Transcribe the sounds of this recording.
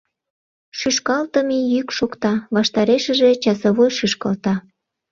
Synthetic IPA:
ʃyʃkɑlt̪əmijykʃokt̪ɑβɑʃt̪ɑɾeʃə̆ʒe̽t͡ɕɑsəβojʃyʃkɑlt̪ɑ

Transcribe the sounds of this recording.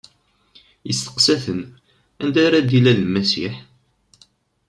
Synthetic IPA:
jəst̪ə̥qsæθən | ænd̪æɾæd̪ilællmæsḭħ

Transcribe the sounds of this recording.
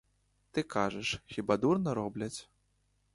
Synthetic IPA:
t̪ɨkaʐɐʂxʲibad̪urnɐɾɔblʲɐt͡sʲ

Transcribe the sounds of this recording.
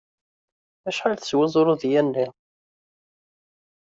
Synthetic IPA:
æʃħalθə̥swəzˤoɾˤʊðjænːi

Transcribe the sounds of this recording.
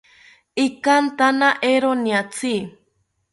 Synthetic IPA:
ikant̪anaʔeɾoniat͡sʰi

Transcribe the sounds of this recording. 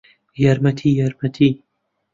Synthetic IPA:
jɐɾmɐt̪ʰijɐɾmɐt̪ʰi

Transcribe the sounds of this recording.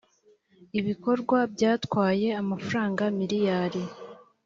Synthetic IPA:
iβiko̞ɾɡwabɟaːtwaːje̞amafuɾaːŋɡamiɾijaːɾi

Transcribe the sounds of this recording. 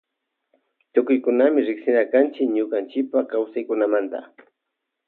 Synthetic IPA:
t̪ʊkʊjkʊnamɪɾɪksɪnakant͡ʃɪkɲʊkant͡ʃɪpakawsajkʊnamant̪a̰

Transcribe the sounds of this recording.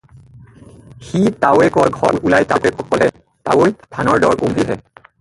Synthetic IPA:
xitawɛkɔɹɡʱɔlulajtakɛkɔkɔlɛ | ta̰wojpʰanɔɹdɔ̰ɹkumbiɦɛ

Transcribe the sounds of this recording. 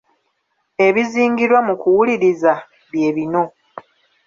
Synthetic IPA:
e̞βiziːŋɡiɾwamukuwuliɾiza | βje̞ːβino̞

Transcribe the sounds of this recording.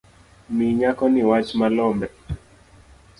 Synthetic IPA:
miɲakɔniwat͡ʃmalɔmbɛ

